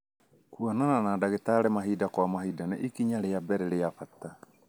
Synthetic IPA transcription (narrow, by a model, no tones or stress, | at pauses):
kuɔnananadaɣetaɾɛmaɦiːdakwamaɦiːdanaʔikiɲaɾeabɛɾɛɾeafata